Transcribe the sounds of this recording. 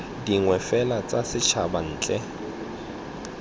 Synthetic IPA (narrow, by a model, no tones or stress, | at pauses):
diŋwɛfɛlat͡sʼasɪt͡ʃʰaban̩ːt͡ɬʼɛ